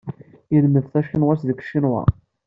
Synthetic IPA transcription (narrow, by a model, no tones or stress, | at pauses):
iðməðθæʃinwæsðəkʃinwæ̰